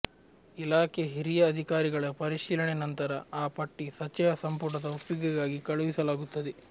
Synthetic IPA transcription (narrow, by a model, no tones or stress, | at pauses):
ilaːkeɦiɾijɐːd̪ʱikaːɾiɡɐɭɐpɐɾiʃiːlɐɳenɐnt̪ɐɾɐaːpɐʈːisɐt͡ʃːɐjɐsɐmpuɾɳɐd̪ɐopjiɡɐɡaːɡikɐɭuʋisɐlaːɡut̪ːɐd̪e